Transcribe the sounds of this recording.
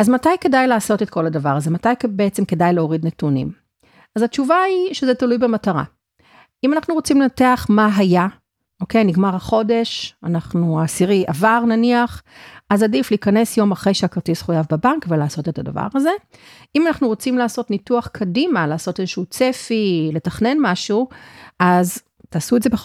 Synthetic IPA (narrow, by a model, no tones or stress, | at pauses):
azmatajke̞dajlaːso̞te̞t̚ko̞ladavaʁaze̞matajkbeet͡semke̞dajleoʁidnetunḭm | azat͡ʃuvaiʃezetalujbemataʁa̰ | imanaχnuʁo̞t͡simlenateaχmaɦaja | o̞ke̞jniɡmaʁhaχo̞de̞ʃanaχnuasiʁiʔavaʁnaniaχazadifliːkɐne̞sjo̞maχʁe̞jʃeakʁtisχujavbebankvelaːso̞te̞tada̰va̰ʁaze̞ | imanaχnuʁo̞t͡simlaːso̞tnituaχkʰadimalaːso̞tezeʃuut͡sefile̞taχne̞nmaʃuʔaz | taːsuedzebe